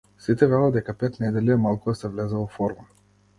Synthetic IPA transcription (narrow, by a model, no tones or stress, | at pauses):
sit̪ɛvɛlˠad̪ɛkapɛt̪nɛd̪ɛlʲiɛmalˠkud̪asɛvlɛzɛɔfɔɾma